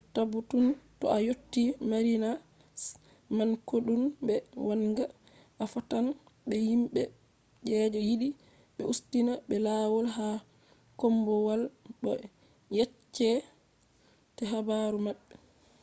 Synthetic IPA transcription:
tabutuntɔ̰ajotːimaɾina | mankoɗumbɛwanɡa | afatanbɛhimɓɛ | d͡ʒɛd͡ʒɔjiɗi | ɓɛustinaɓɛlaːwɔlɦa | kɔmbɔwalɓɔ | jɛt͡ʃːɛ | tɛɦabaɾumaɓːɛ

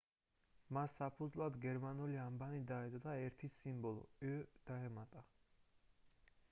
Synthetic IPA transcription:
masːapʰud̪zvlˠad̪ɡɛɾmanuliambanid̪aɛd̪ʼɔd̪aɛɾt̪ʰisimbɔlˠɔ̰ɛd̪̥aɛmat̪ʼa

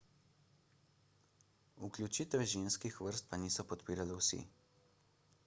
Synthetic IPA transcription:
uklʲjut͡ʃit̪ɛɛʒenskixʋəɾst̪̚paniːsɔpɔt̪piːɾalɛwsḭ

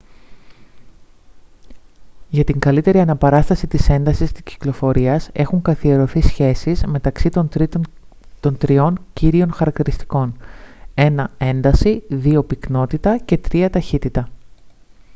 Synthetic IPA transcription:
ʝɐt̪iŋɡɐlit̪e̞ɾiɐnɐpɐɾɐst̪ɐsit̪ise̞nd̪ɐsist̪i̥sci̥klo̞fo̞ɾiɐse̞xuŋkɐθie̞ɾo̞θisçe̞sizme̞t̪ɐksit̪o | t̪o̞nt̪ɾio̞nciɾio̞nxɐɾɐkt̪iɾist̪i̥ko̞ne̞nɐe̞nd̪ɐsiðio̞pikno̞t̪it̪ɐce̞t̪ɾiɐt̪ɐçit̪it̪ɐ

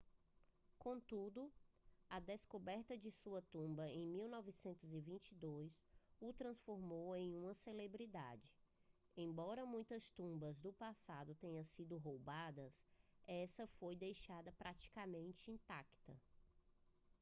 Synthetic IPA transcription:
kõt̪ud̪ʊɐd̪eskobɛɾt̪ɐd͡ʒɪsuɐt̪ũmbɐẽj̃miwnɔvisẽnt̪ʊzivĩnt͡ʃid̪ojsʊt̪ɾɐ̃sfoɾmowẽj̃ũmɐselebɾid̪a̰d͡ʒɪ | ẽj̃bɔɾɐmũj̃t̪ɐst̪ũmbɐzd̪ʊpasad̪ʊt̪ẽɲɐ̃sid̪ʊɦowbad̪ɐsɛsɐfojd̪ejʃad̪ɐpɾat͡ʃi̥kamẽnt͡ʃɪĩnt̪akt̪ɐ

